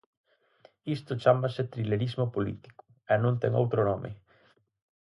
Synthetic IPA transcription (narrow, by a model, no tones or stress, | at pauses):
ist̪ot͡ʃamasɪt̪ɾileɾizmopolḭt̪i̥ko̥ | ɛnõnt̪ɛ̰ŋo̰wt̪ɾonomʔɪ̰